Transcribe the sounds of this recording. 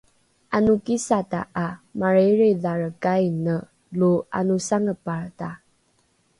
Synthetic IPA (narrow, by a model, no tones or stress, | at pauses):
ʔanukisata̰ʔamaɾeɾiðaɾəkajnə | lua̰nusaŋəpaɹta